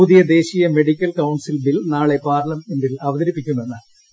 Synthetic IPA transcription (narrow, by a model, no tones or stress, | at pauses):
uːd̪ijɐd̪e̞ːɕijɐme̞ɽikʲːɐlkɐwɳsilbilnaːɭe̞paːrlɐmeɳɖilɐʋɐðɐɾipːikʲːunːenːa